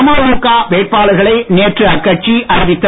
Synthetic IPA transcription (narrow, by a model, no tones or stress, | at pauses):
maːʊɾukːaːʋeːʈ̚paːɭɐɣɐɭɐɪneːʈrɯɐkːɐʈ̚t͡ʃiʔɐɾɪʋɪt̪ːɐ